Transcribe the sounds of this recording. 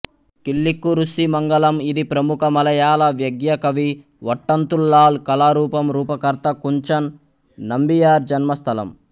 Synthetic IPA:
kilːikːuɾusimɐŋɡɐlɐmid̪ipɾɐmukɐmɐlɐjaːlɐʋjɐɡjɐkɐʋi | ʋɐʈːɐnt̪ulːaːlkɐlaːɾuːpɐmɾuːpɐkɐɾt̪ɐkuɲt͡ʃɐnː | ɐmbijaːɾd͡ʒɐnmɐst̪ʰɐlɐ̰m

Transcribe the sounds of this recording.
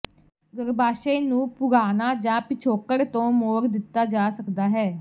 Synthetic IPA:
ɡəɾbaːʃẽːnũːpʊɡaːnaːd͡ʒãːpɪt͡ʃʰoːkəɽt̪õːmoːɾd̪ɪt̪ːaːd͡ʒaːsəkd̪aːɦɛː

